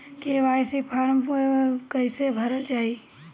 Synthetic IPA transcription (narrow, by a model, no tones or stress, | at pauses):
keʋaːjsipʰaːɾəmpukəɪsebʱəɾəlt͡ʃaːɦi